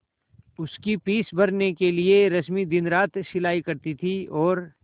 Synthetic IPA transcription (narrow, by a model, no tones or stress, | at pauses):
ʊskipiːsbɐɾnekelieɾɐsmid̪ɪnɾaːt̪ʃɪlaːikɐɾt̪it̪ʰiɔːɾ